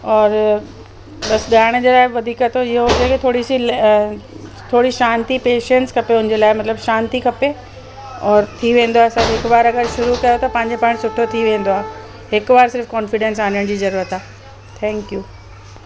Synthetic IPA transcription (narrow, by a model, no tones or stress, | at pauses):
ɔːɾ | ɓɐsɠaːɪɽ̃əd͡ʑelaːɪʋɐd̪ʱiːkət̪ʰoiɦoɦod͡ʑaket̪ʰoːɽisil | t̪ʰoːɽiʃãːnt̪ipeːʃẽnʈskʰɐpeʊnɪ̃d͡ʑeːlaːɪmɐt̪ləbʃaːnt̪ikʰɐpe | ɔːɾt̪ʰiʋẽːnd̪oaːsɐbɦɪkbaːɾɐɡəɾʃʊɾukɐjot̪ɐpɐ̃ɦɪ̃ɲd͡ʑepɐɪ̃ɽ̃sʊʈʰot̪ʰiʋẽːn̆d̪oaːɦ | ɦɪkʋaːɾsɪɾfkɔ̃ːnfɪɖẽns̬aːnəɽ̃d͡ʑiːzɐɾuːɾət̪aː | t̪ʰɛ̃ːŋkjuː